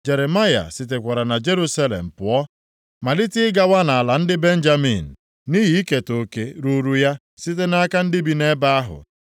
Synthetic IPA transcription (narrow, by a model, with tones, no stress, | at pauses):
d͡ʒe˨ɾe˨ma˦ja̰˨sɪ˨t̬e˨kʷa˨ɾa˨na˨d͡ʒe˦ɾu˦sa˦lḛ˨m̩˨pʊ˨ɔ˦ | ma˨lɪ˦tɪ˦ɪ˦ɡa˦wa˦na˨a˨la˨n̩˦dɪ˦be˦n̩˦d͡ʒa˦mḭ˨n̩˨ | ni˦ɦi˨˦i˦ke˨to˨ke˨ɾu˨ɾu˦ja˦ | sɪ˦t̬e˦na˦ka˦n̩˦dɪ˦bi˨ne˦ba˦a˦ɦʊ̰˨